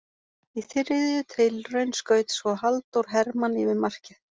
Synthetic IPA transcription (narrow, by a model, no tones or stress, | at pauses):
iθɪɾðjʏt̪ʰɪlrœɥnskœːɥt̪svɔhalt̪owɾ̥ɦɛɾmanivɪðmar̥cɪ